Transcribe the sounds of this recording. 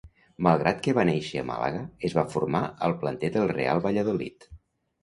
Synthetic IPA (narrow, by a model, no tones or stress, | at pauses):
məlˠɣ̞ɾʔat̪kəβaneʃəə̰ma̰lə̰ɣəəzβafurmaəlˠplənt̪ɛd̪əlˠrḛa̰lˠβəʎəðolḭt̪